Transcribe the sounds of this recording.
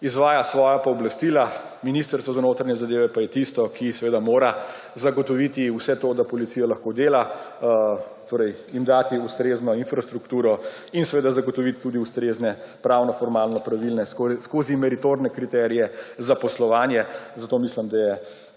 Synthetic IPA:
izʋaːjasʋɔːjapɔɔblast̪iːla | minist̪əɾsʋɔzanoːt̪ɾanɲɛzad̪eːʋɛpajɛt̪ist̪ɔkʰisɛʋeːd̪amoːɾa | zaɡɔt̪ɔʋit̪iusɛt̪oːd̪apɔlit̪siːjalaxkod̪eːla | t̪oːɾɛj | imd̪aːt̪iust̪ɾeːznɔinfɾast̪ɾukt̪uːɾɔ | insɛʋeːd̪azaɡɔt̪ɔʋit̪t̪ːud̪iust̪ɾeznɛpɾawnɔfɔɾmaːlnɔpɾaʋilnɛsskoːzimɛɾit̪oɾnɛkɾit̪ɛɾijɛzapɔslɔʋaːnjɛzat̪oːmislimd̪ajɛ

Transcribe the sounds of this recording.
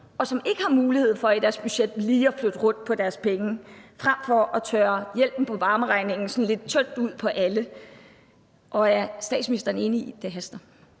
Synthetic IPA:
ɒ̽sɒ̽me̝ɡ̥əhɑ̈muːlihe̝ð̞̰ˠfɒ̽æd̥æɐsb̥yɕed̥liːɒflød̥əʁɔ̽n̰̥̚pʰɒ̽d̥æɐspʰeŋəfʁäm̰fɒ̽ʔɒt͡sʰøːɐjel̰b̥n̩pʰɒ̽ʋɑ̈ːməʁɑ̈ɪne̝ŋn̩sɒ̽nle̝d̥̚t͡sʰønd̥uð̞̰ˠpʰɒ̽ʔælə | ʔɒ̽æɐsd̥ɛ̰ːd̥sminisd̥ɐːne̝nəid̥eɦæsd̥ɐ

